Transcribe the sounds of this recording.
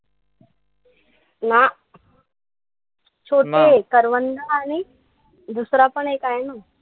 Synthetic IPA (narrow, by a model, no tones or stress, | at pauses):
na | t͡ɕʰoʈekəɾʋənd̪əaɽ̃i | d̪usɾapəɳekajeno